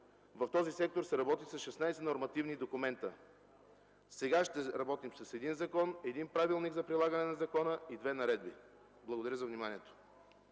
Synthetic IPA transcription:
vɐft̪ɔzisɛk̚t̪oɾsɛɾɐbɔt̪isɐsʃɛsnajsɛnoɾmɐt̪ivnid̪okumɛnt̪ə̰ | sɛɡaʃt̪ɛɾɐbɔt̪imsɐsɛd̪inzɐkɔnɛd̪inpɾavilˠniɡzɐpɾilˠaɡənɛnɐzɐkɔnəid̪vɛnɐɾɛd̪̚bi | blˠɐɡod̪ɐɾəzɐvnimaniɛt̪o̥

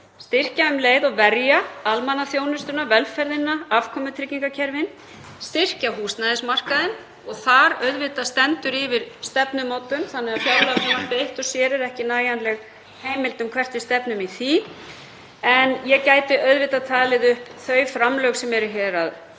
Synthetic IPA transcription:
st̪ɪr̥caʏmleːjðɔɣvɛɾjaalmanaθjoːwnʏst̪ʏnavɛlfɛɾðɪnːaavkʰɔmʏt̪ʰɾɪcːiŋkacʰɛɾvɪn | st̪ɪr̥caɦuːst̪naðɪsmar̥kaðɪn | ɔɣθaɾœɥðvɪt̪ast̪ɛnt̪ʏɾɪvɪɾ̥st̪ɛpnʏmoːwt̪ʏmθanːɛɣafjaːwlanapejht̪ɔsjɛːɾɛɾɛhcɪnaːjanlɛɣ | heːjmɪlt̪ʏmkʰvɛr̥t̪ʏst̪ɛpnʏmiθi | ɛnjɛcaːjt̪ɪʔœɥðvɪt̪at̪ʰaːlɪðʏhpθœɥfɾamlœɥwksɛmɛɾʏçɛːɾað

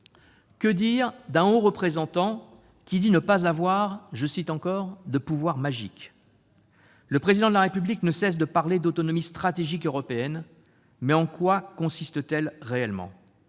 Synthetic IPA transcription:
kəd̪iʁd̪ɛ̃oʁəpχezɑ̃t̪ɑ̃ | kʲid̪inəpazavwaʁʒəsit̪ɑ̃kɔʁd̪əpuvwaʁmaʒik | ləpχezid̪ɑ̃d̪əlaʁepybliknəsɛs̬d̪əpaʁled̪ot̪ɔnɔmist̪χat̪eʒikøʁɔpeɛn | mɛɑ̃kwakɔ̃sist̪ət̪ɛlʁeɛlmɑ̰̃

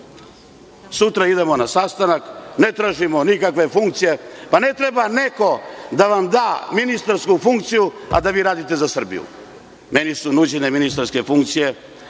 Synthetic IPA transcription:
sut̪ɾaid̪e̞mo̞nasast̪anakne̞t̪ɾaːʒimo̞nikakʋe̞fuŋkt̪sije̞pane̞t̪ɾebane̞ko̞d̪aʋamd̪aːminist̪aɾskufuŋkt̪sijua̰d̪aʋiːɾaːd̪it̪e̞zasr̩bḭjṵ | me̞nisunud͡ʑeneminist̪aɾske̞fuŋk̚t̪sije̞

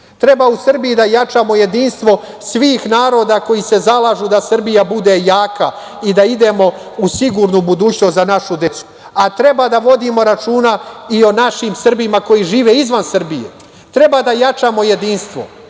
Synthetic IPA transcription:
t̪ɾe̞bausr̩bijid̪ajat͡ʃamo̞je̞d̪inst̪ʋo̞ | sʋiːxnaːɾo̞ːd̪ako̞jise̞zalˠaːʒud̪asr̩bijabud̪e̞jaːka | id̪aid̪e̞mo̞ | usiɡuːɾnubud̪uːt͡ɕnost̪zanaʃud̪e̞tsu̥ | at̪ɾe̞baːd̪aʋo̞d̪imo̞ɾat͡ʃuːnaio̞naʃimsr̩bimako̞jiʒiːʋe̞izʋansr̩bijḛ | t̪ɾe̞baːd̪ajat͡ʃaːmo̞je̞d̪inst̪ʋo̞̰

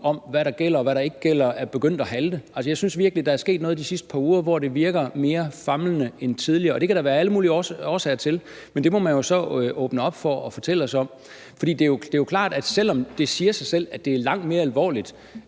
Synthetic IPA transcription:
ɒ̽mʋæɾɑ̈ɡ̥el̰ɐɒʋæɾɑ̈e̝ɡ̥əɡ̥el̰ɐæɐb̥e̝ɡ̥øn̰d̥ɒɦæld̥əæls̬əjɑ̈ɪsynsʋiɐɡ̥lid̥ɑ̈æɐsɡ̥e̝̰ːd̥nɔ̽ːð̩ˠdisisd̥əpʰɑ̈ːuːɐʋɒd̥e̝ʋiɐɡ̥ɐme̝ːɐfɑ̈mlənəent͡sʰið̞ˠliɐːɒ̽d̥e̝kʰæɾ̥ɑ̈ʋæːɐæləmuːliɒːsɛ̰ɪɐt͡sʰe̝l | mend̥e̝mɒ̽mænjo̝sɒ̽ʔɔːb̥nəɒ̽b̥fɒɒfɒ̽t͡sʰel̰əɒsɒ̽m̰ | fɒd̥ḭːd̥e̝jod̥e̝jo̝kʰlɑ̰̈ːd̥æd̥sel̰ɒ̽md̥e̝siːɐsɑ̈ɪsel̰æ̥d̥e̝æɐlɑ̈ŋ̰d̥me̝ːɐælʋɒ̰ːlid̥

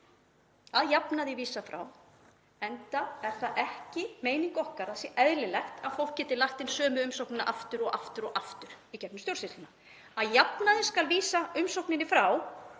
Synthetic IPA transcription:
aðjapnaðɪviːsafɾa̰w | ɛnt̪aɛɾ̥θaðʔɛhcɪmeːjniŋkɔhkaɾasjɛʔɛðlɪlɛxt̪ʰaðfowl̥kcɛːt̪ɪlaht̪ɪnsœːmʏʏmsowknɪnaʔaft̪ʏɾɔɣaft̪ʏɾɔɣaft̪ʏɾ̥ | icɛpnʏmst̪jowɾsɪt̪lɪna | aðjapnaðɪnskalviːsaʏmsowknɪnɪfɾaw

